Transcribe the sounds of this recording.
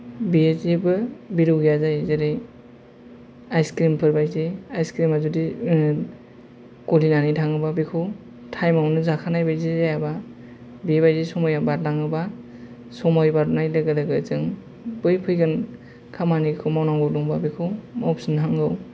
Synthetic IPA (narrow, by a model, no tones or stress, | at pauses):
biezebɯbiɾɯwɡijazajzeɾɯj | ajskɾimpʰɯɾbajzeajskɾimazudi | kɔlinanitʰaŋɯbabikʰɯw | tʰajmawnɯzakʰanajbajzizajaba | bibajzesɔmɔjabaɾlaŋɯba | sɔmɔjbaɾnajlɯɡɯlɯɡɯzɯŋ | b̥ɯjpʰɯjɡɯn | kʰamanikʰɯwmawnaŋɡɯwduŋbabikʰɯwmawp̚sɯnɦaŋɡɯw